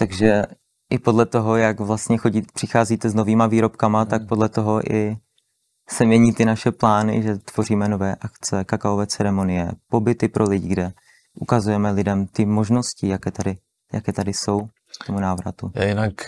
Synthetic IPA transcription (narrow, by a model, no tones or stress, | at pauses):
t̪aɡʒɛ | ʔɪpo̞dlɛt̪o̞ɦo̞jakvlast̪ɲɛxoɟipr̝̥ɪxaːziːt̪ɛzno̞viːmaviːɾo̞pkamat̪ak̚po̞dlɛt̪o̞ɦo̞ʔɪ | sɛmɲɛɲiːt̪ɪnaʃɛplaːnɪ̰ʒɛt̪v̥o̞riːmɛno̞vɛːʔakt͡sɛkakaovɛːt͡sɛɾɛmo̞nɪjɛpo̞bɪt̪ɪpɾʔo̞lɪɟɪɡdɛ | ʔukazujɛmɛlɪdɛmt̪ɪmo̞ʒno̞scɪjakɛːt̪adɪ | jakɛːt̪adɪso̞w | t̪omunaːvɾa̰t̪ua̰jɪnak